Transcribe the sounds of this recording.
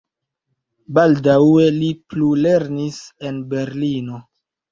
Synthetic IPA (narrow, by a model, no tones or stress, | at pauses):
baldawe̞liplule̞ɾnise̞nbe̞ɾlino̞